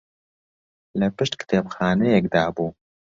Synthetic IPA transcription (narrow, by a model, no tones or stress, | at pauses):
lɐpɨʃt̪kɨ̥t̪ʰeːpxaːnɛjɛkd̪aːbuː